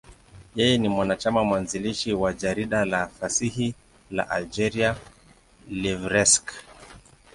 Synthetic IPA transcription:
jɛjɛnimwanat͡ʃamamwanziliʃiwad͡ʒaɾiɗalafasihi | la̰ʔald͡ʒɛɾia | livɾɛsk

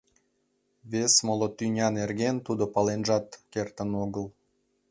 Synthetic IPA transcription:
βesmolot̪ynʲɑnerɣent̪ud̪opɑlenʒɑt̪kert̪ənoɣəl

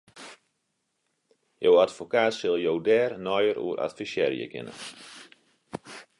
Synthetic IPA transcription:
jowatfokaːtsɪlˠjowdɛːrnɔjəɾṵːəɾʔa̰tfisjɛ̰ɾjə̰kɪ̰nə̰

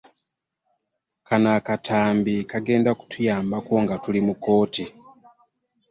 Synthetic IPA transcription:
kʰanakatʰaːmbikaɡe̞ːndaku̥tʰujaːmbakoŋɡatulimukoːti

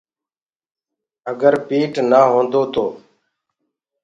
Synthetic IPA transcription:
əɡəɾpiːʈnaːɦõːnd̪oːt̪ʰoː

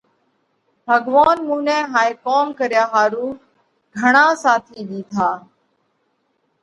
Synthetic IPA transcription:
bʱəɠʋaːnmũːnẽːɦaːeːkoːmkəɾɪjaːɦaːɾuː | ɡʱəɳãːsaːt̪ʰiːɗiːt̪ʰaː

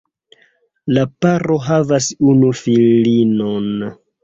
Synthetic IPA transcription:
lapaɾoɦavasunufillino̞n

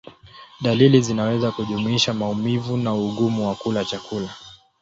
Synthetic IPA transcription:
ɗalilizinawɛzakuʄumuiʃamaumivunauɠumuwakulat͡ʃakula

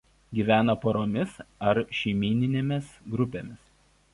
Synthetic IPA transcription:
ɡʲiːʋʲæːnɐpoɾoːmʲɪsɐɾʃʲɛɪmʲiːnʲɪnʲeːmʲɪsɡɾʊpʲeːmʲɪs

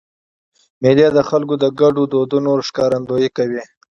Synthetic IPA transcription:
melijad̪əxalkod̪əɡaɖod̪od̪onoɾʂkɑɾand̪ojikawi

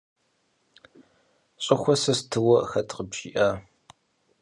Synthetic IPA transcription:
ɕʷʼɪxʷɔsɐstʰɨwɔxɐtʰʼqəbʒiːʔaː

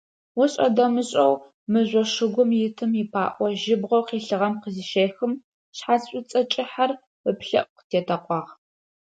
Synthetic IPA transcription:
wɔɕʼɐ̰dɐmɨɕʼɐw | mɨʑʷɔʂɨɡʷʊmjɪtʰɨmipʰa̰ːʔʷɔʒɪbʁʷɔwqiːɬɨʁɐmqəziʃeːxɨm | ɕħaːsɕʷʼʊt͡sʼɐt͡ʃʼɪħar | əpɬɐ̰ʔqtʰeːtʰɐqʷʼɑːʁ

